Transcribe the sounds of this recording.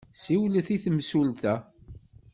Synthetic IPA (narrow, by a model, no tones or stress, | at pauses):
siwləθiθəmsult̪æ